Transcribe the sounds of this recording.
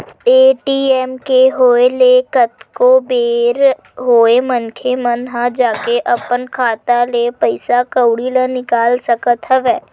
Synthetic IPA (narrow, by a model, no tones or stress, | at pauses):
eːʈiːɛːmkeɦoːelekət̪kobeːɾ | ɦoːemənkʰemənɦãd͡ʒaːkeʔɐpənkʰaːt̪alepəɪsakəwɽilənɪkaːlsəkət̪ɦəʋɛː